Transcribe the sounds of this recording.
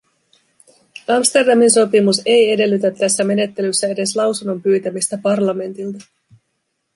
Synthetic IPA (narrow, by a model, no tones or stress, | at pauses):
ɑmst̪e̞rdɑminso̞pimuse̞je̞de̞lːyt̪æt̪ːæsːæme̞ne̞t̪ːe̞lysːæe̞de̞slɑwsunːo̞mpyːt̪æmist̪æpɑrlɑme̞nt̪ilt̪ɑ